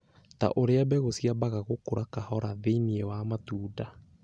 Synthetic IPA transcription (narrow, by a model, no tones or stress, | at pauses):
ta̰ʔoɾeabɛɣosiabaɣaɣokoɾakahɔɾaðeiniɛwamatuːda